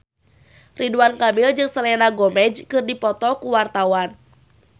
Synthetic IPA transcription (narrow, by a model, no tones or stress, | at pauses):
riduankamild͡ʒɨŋsəlɛnaɡɔmɛd͡ʒkɨrdipɔt̪ɔkuwart̪awan